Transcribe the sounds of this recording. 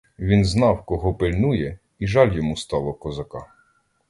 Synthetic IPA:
ʋʲinznɑwkɔɦɔpɪlʲnujɛ | iʒɑlʲjɔmust̪ɑlˠɔkɔzɐkɑ

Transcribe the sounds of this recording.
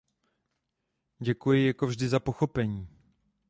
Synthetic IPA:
ɟɛkujɪjakovʒdɪzapo̞xo̞pɛɲiː

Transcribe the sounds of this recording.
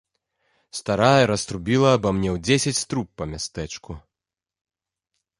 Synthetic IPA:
st̪aɾajɐɾɐst̪ɾubʲilˠɐbɐmnʲɛwd͡zʲesʲɐt͡sʲst̪ɾupːɐmʲast̪ɛt͡ʂku

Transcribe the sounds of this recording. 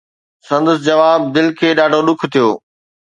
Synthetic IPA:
sɐ̃nd̪əs̬d͡ʑɐʋaːb̚d̪ɪlkʰeːɗaːɖʱoɗʊkʰt̪ʰijo̰ː

